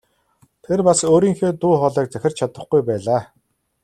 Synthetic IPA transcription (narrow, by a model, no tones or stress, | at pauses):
t̪ʰerpasoːɾiːŋxeːt̪uːχɔɮɛːk̚t͡sæxʲɪ̆rt͡ɕʰat̪ə̆χɡujpæːɮaː